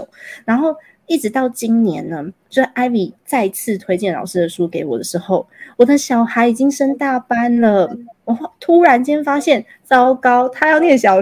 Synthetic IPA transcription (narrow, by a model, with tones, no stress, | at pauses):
ɻa˧˥nxo˥˩ʊ | i˥˩ʈ͡ʂɻ̩˧˥t̪ɑ˥˩ʊt͡ɕi˥nnjɛ̰˧˥nnə˧t͡ɕo˥˧˥ʔa˥ɪli˨˩t͡sa˥˧ɪi˧˥t͡sʰɹ̩˥˩t̪ʰwe˥ɪt͡ɕjɛ˥˩nlɑ̰˨˩ʊʂɻ̩˥d̪ə˨ʂu˥ke˧˥ɪwɔ̰˨˩d̪ə˦ʂɻ̩˧˥xo˥˩ʊwɔ˨˩d̪ə˦ɕjɑ˨˩ʊxa˧˥ɪi˨˩t͡ɕi˥ŋʂə˥ŋt̪a˥˨˩pa˥nlə˨wɔ˨˩˥t̪ʰu˥ɻa˧˥nt͡ɕjɛ˥nfa˥ɕjɛ˥˨˩n | t͡sɑ˥ʊkɑ˥ʊt̪ʰa˥jɑ˥˧ʊnjɛ˥˩nɕ̬jɑ˨˩ʊ